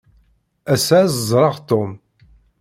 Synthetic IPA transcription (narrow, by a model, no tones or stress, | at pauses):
æsæzəzˤɾˤɑʁt̪ːom